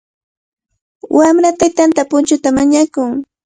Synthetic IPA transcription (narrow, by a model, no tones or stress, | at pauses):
wamɾat̪ajt̪ant̪apʊnt͡ʃʊt̪amaɲakʊŋ